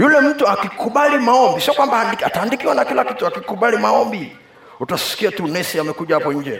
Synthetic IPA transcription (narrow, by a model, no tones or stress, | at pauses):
julɛm̩tuakikuɓalimaɔmbisiɔkwambandikataːndikiwanakilakituakikuɓalimaɔmbi | utasi̥kiatunɛsiamɛkuʄahapɔɲ̩d͡ʒɛ